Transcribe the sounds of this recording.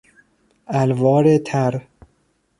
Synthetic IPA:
ælvɒːɾet̪ʰæɾ

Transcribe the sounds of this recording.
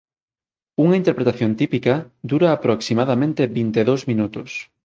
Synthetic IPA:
uŋɐint̪eɾpɾet̪aθjont̪ipikɐd̪uɾaːpɾoksimaðamẽnt̪ebint̪eðowzmĩnut̪ʊs

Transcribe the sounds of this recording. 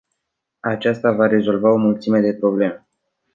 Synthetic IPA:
at͡ʃast̪avaɾe̞zo̞lvao̞mult̪sime̞d̪e̞pɾo̞ble̞me

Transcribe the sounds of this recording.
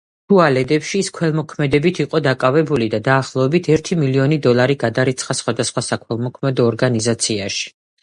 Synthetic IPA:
t̪ʰualɛd̪ɛpʃiːskʰwɛlˠmɔkʰmɛd̪ɛbit̪ʰiqʼɔd̪akʼavɛbulid̪ad̪aːχlˠɔɛbit̪ʰɛɾt̪ʰimiliɔnid̪ɔlˠaɾiɡad̪aɾit̪sʰχasχwad̪asχwasakʰwɛlˠmɔkʰmɛd̪ɔːɾɡanizat̪sʰiaʃi̥

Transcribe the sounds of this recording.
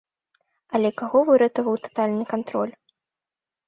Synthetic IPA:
ɐlʲɛkaɣɔvɨɾɛt̪ɐvɐwt̪ḁt̪alʲnɨkant̪ɾɔlʲ

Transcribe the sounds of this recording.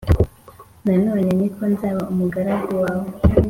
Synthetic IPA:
nanoɲenikʰonzaβaumuɡaɾaɡuwaːwo

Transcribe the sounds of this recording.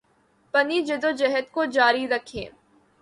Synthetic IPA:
pɐnid͡ʒɪd̪od͡ʒɛɦət̪̚kod͡ʒaːɾiɾɐkʰḛ̃ː

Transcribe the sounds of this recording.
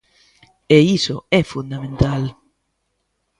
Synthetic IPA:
eisoɛfund̪amẽnt̪al

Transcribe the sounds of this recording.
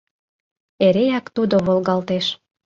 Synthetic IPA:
eɾejɑkt̪ud̪oβolɣɑlt̪eʃ

